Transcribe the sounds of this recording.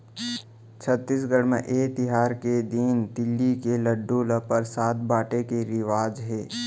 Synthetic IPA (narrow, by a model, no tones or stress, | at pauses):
t͡ʃʰət̪ːis̬ɡəɽmḛ̃ʔeːt̪ɪɦaːɾked̪ind̪ɪlːikeləɖːuləpəɾsaːt̪̚baːʈekeɾɪʋaːd͡ʒɦɛː